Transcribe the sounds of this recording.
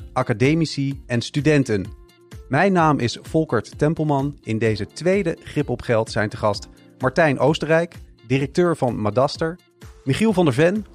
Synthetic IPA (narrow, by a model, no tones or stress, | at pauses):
ʔɑkadejmisiɛnstydɛntən | mɛjnaːmʔɪsfɔlˠkəɹtːɛmpəl̩ˠmɑnɪndejzətʋejdəχrɪpɔpχɛlˠtsɛjntəχɑst | mɑɹtɛjnʔowstərɛjkdirək̚tøːɹvɑnmadɑstəɹ | miχilˠvɑndəɹvɛn